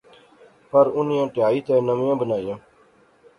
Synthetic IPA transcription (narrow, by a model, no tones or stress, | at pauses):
pəɾʊnjãːʈɪjaːiːt̪ẽːnəmjãːbənaːijãː